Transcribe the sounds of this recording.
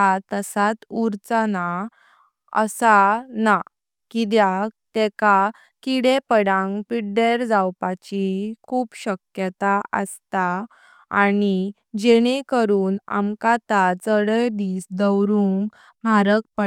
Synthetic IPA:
at̪əsat̪uɾt͡səna | ə̰sana | kid̪jat̪eka | kiɽepəɽãŋɡpiɖeɾd͡zawpat͡ɕikʰuːpɕəkjət̪aə̰st̪a | ani | d͡ʑeɽ̃ekəɾuːna̰mkat̪at͡səɽəjd̪iːsd̪əwɾuŋɡ | maɾək̚pə

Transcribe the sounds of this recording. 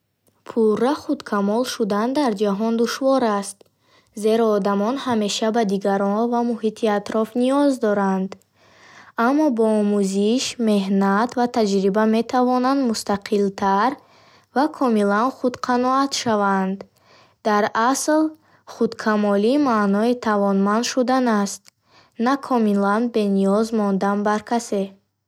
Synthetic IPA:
pʰurːaχud̪kʰamɔlʃud̪and̪aɾd͡ʒaɦɔnd̪uʃvɔɾast̪ | ze̞ɾɔːd̪amɔnhame̞ʃabad̪iɡaɾɔnvamuɦit̪ʰiat̪ɾɔfniɔzd̪ɔɾand̪ | amːɔbɔːmuziʃme̞ɦnat̪vat̪ʰad͡ʒɾibame̞t̪ʰavɔnand̪must̪aqʰilt̪ʰaɾ | vakʰɔmilanχud̪qʰanɔat̪ʃavand̪ | d̪aɾasl | χud̪kʰamɔliːmaːnɔit̪ʰavɔnmand̪ʃud̪anast̪ | nakʰɔmilanbe̞niɔzmɔnd̪anbaɾkʰase

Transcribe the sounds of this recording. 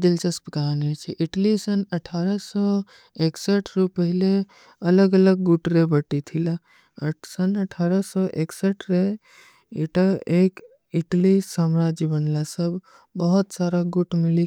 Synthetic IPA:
d̪ilt͡ʃəspəkanet͡ʃʰiʔiʈlisənəʈʰaːɾəsɔ | eksəʈʰɾupəɦɪle | ələɡələɡːuʈɾebəʈit̪ʰila | əsənəʈʰaɾəsɔʔeksəʈʰɾe | iʈaek | iʈlisaːmɾad͡ʒibənlasəbʱ | bəɦʊt̪saɾaɡuʈʰmili

